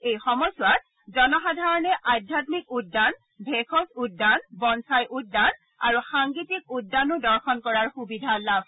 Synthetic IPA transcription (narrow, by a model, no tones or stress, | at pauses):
ejxɔmɔsʊwat̚ | zɔnɔxadʱaɹɔnɛʔadʱjatmikudːan | bʱekʰɔsudːanbɔnsajʔudːan | a̰ɹuxaŋɡitik̚udːanʊdɔɹxɔnkɔɹaɹxubidʱalab̚ʱ